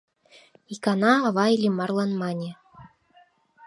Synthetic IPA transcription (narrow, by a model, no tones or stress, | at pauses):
ikɑnɑːβɑjlʲimɑrlˠɑnmɑnʲĕ